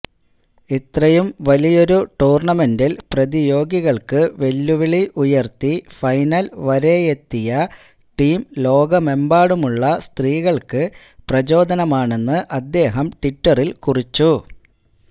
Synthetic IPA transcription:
it̪rɐjumʋɐlijo̞ɾuʈuːrɳɐme̞ndilprɐðijo̞ːɡiɣɐɭkɨʋe̞lːuʋiɭiʔujɐrt̪ifɐjnɐlʋɐɾe̞jet̪ːijɐ | ʈiːmlo̞ːɡɐme̞mbaːɽumuɭːɐst̪riːɣɐɭkɨ | prɐt͡ɕo̞ːd̪ɐnɐmaːɳe̞nːɨʔɐd̪ːe̞ːɦɐmʈitːɐrilkurit͡ɕːu

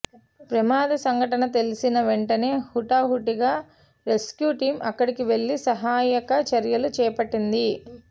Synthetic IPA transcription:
pɾɐmaːd̪ɐsɐŋɡʱɐʈɐnɐt̪e̞lisinɐʋe̞ɳʈɐne̞ːhuʈaːɦuʈiɡaː | ɾe̞skjuːʈiːmʔɐkːɐɽikiʋe̞ɭːisɐɦaːjɐkɐt͡ʃɐɾjɐlut͡ʃɛːɐpɐʈːind̪i

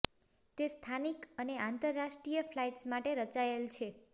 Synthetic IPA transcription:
t̪est̪ʰanikəneant̪əɾːaʃʈɾijəflajʈsmaʈeɾət͡ʃaelt͡ʃʰe

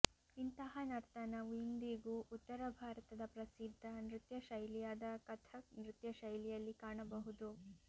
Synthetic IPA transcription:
int̪ɐɦɐnɐɾt̪ɐnɐʋind̪iɡuʔut̪ːɐɾɐbʱaːɾɐt̪ɐd̪ɐpɾɐsid̪ʱːɐnɾɪt̪jɐʃɐjlijaːd̪ɐkɐt̪ʰɐnɾɪt̪jɐʃɐjlijɐlːikaːɳɐbɐɦud̪u

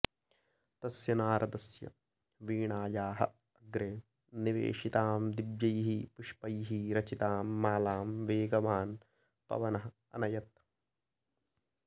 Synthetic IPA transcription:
t̪ɐsjɐnaːɾʔɐd̪ɐsjɐ̰ | ʋiːɳaːjaːɦɐ̰ | ɐɡɾeː | niʋḛːʂit̪aːmd̪ibjɐjɦipuʂpɐjɦiɾɐt͡ʃit̪aːmːaːlaːmʋeːɡɐʋaːn | pɐ̰ʋɐnɐɦɐ | ɐ̰nɐjɐt̪̚

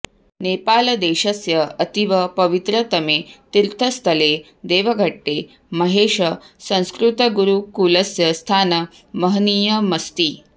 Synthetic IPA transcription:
nepaːlɐd̪eɕɐsjɐɐt̪iʋɐpɐʋit̪ɾət̪ɐmet̪iɾt̪ʰəst̪ʰəle | d̪eːʋɐɡʱəʈːe | mɐɦeɕəsə̃w̃skɾut̪ɐɡuɾukuləsjɐst̪ʰaːnə | məɦnijəmɐst̪iː

